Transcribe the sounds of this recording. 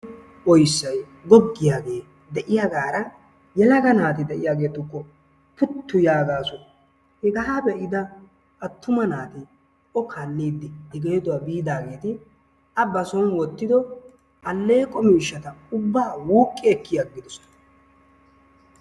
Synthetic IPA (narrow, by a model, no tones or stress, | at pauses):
ɔjsːɐj | ɡɔɡːɪjaːɡe̞ː | d̪ɛʔɪjaɡaːɾɐ | jɛlɐɡɐnaːt̪ɪd̪ɛʔɪjaːɡe̞ːt̪ʊkːɔ | pʊt̪ːʊjaːɡaːsʊ | hɪɡɐɦabɛʔɪd̪ɐ | ʔːt̪ːʊmɐnaːt̪ɪ | ɔkʰanːiːd̪ːɪɪɡeːd̪ʊwabiːd̪aːɡe̞ːt̪ɪ | ɐbɐsɔnwɔt̪ːɪd̪ɔ | ʔɐlːeːkʼːɔmiːʃːɐt̪ɐʊbːaːwuːkʼːɪɛkːɪjɐɡːɪd̪ʊs